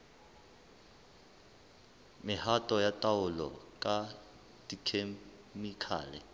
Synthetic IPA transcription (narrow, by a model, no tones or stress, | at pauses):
mɪhatʼɔjatʼaʊlɔ̰kʼa | dʼikʰe | mikʰa̰ːlɛ̰